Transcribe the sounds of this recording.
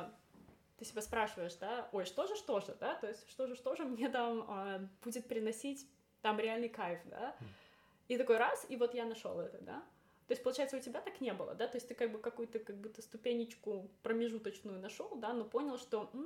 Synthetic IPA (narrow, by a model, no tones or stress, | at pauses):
t̪ɨsʲɪbʲaspɾaʂɨvəjɪʂd̪ao̞jʂt̪o̞ʐɨʂt̪o̞ʐɨd̪at̪o̞ɪsʲtʲʂt̪o̞ʐɨʂt̪o̞ʐɨmnʲe̞t̪aməb̥udʲɪt̪̚pʲɾʲɪnɐsʲitʲ | t̪amɾʲɪalʲnɨjkajʲfd̪a̰ | it̪ɐko̞jɾasivo̞t̪janɐʂo̰lˠɛt̪əd̪a̰ | t̪o̞ɪsʲpəlˠʊt͡ɕæjɪt̪səʊtʲɪbʲat̪aknʲebɨlˠə̰d̪at̪o̞jɪsʲt̪ɨkaɡ̚bɨkɐkujʊt̪əkɐɡ̚but̪ːəst̪ʊpʲenʲːɪt͡ɕkʊpɾəmʲɪʐut̪ət͡ɕnʊjʊnɐʂo̞lˠd̪ano̞po̞nʲɪlˠʂt̪o̞mm̩